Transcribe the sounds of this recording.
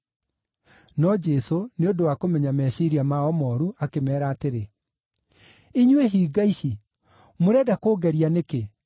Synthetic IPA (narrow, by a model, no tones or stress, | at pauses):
nɔd͡ʒɛsoneodowakomɛɲamɛsiɾiamaɔmɔɾuʔakemɛːɾaːteɾe | iɲweɦiːɡaiʃi | moɾɛdakoːɡɛɾianeke